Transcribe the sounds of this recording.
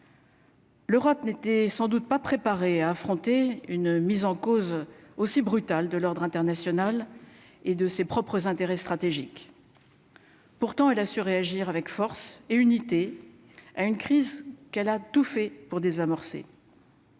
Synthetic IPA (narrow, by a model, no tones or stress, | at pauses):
løʁɔpnet̪ɛsɑ̃d̪ut̪̚papχepaʁeaːfχɔ̃t̪eynmizɑ̃kozosibʁyt̪ald̪əlɔʁd̪ʁɛ̃t̪ɛʁnasjɔnal | ed̪əsepχɔpχəzɛ̃t̪eʁɛst̪χat̪eʒik | puʁt̪ɑ̃ɛlasyʁeaʒiʁavɛkfɔʁseynit̪e | aynkχizkɛlat̪ufɛpuʁd̪ezamɔʁsḛ